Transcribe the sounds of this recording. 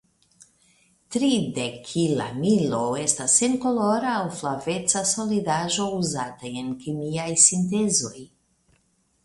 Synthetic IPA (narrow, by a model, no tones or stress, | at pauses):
tɾidekʰːila̰milo̞e̞stasːe̞nko̞lo̞ɾaːwflave̞t͡saso̞lidaʒo̞uzataje̞nkimiajsint̬e̞zo̞j